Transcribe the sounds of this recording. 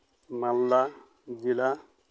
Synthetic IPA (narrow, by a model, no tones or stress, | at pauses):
malːa | d͡ʒila